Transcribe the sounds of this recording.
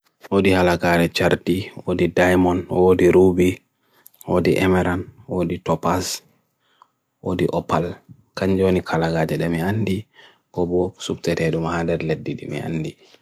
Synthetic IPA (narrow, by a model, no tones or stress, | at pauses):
wodihalaɡaɗɛt͡ʃaɾtiwodidajmɔnwodiɾubi | wodiʔɛmɛɾanwoditɔpas | wo̰diʔɔpal | kaɲd͡ʒonikʰalaɡaːd͡ʒɛɗɛmiandi | kɔbɔsubtɛtɛɗumahadɛɾledːiɗḭmḭa̰nːdi